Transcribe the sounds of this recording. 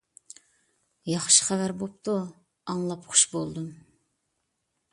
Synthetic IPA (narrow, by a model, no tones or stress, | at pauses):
jɑχʃi̥χævæɾbop̚t̪ʰu | ɑŋlˠɑpχʊ̥ʃbolˠd̪um